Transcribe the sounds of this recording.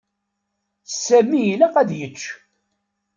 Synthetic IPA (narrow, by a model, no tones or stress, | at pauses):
sæmːijilæqæd̪jət͡ʃː